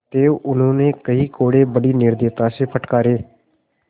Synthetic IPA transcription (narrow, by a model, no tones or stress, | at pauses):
t̪eːoʔʊn̤õːnẽːkəiːkoːɽeːbəɽiːnɪɾd̪eːt̪aːseːpʰəʈkaːɾeː